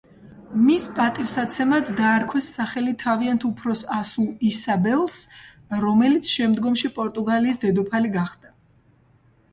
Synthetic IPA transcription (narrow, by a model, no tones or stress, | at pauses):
mispʼat̪ʼivsat̪sʰɛmad̪ːaːɾkʰwɛsːaχɛlit̪ʰaviant̪ʰupʰɾɔsasuisabɛlˠs | ɾɔmɛlit̪sʰʃɛmd̪ɡɔmʃipʼɔɾt̪ʼuɡaliːsd̪ɛd̪ɔpʰaliɡaχd̪̥a